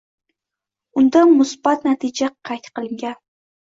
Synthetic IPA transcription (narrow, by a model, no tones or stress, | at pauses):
ʊnd̪amʊsb̥at̪nat̪ʰɪd͡ʒaqʰɑjt̪qɨlˠɪŋɡʲan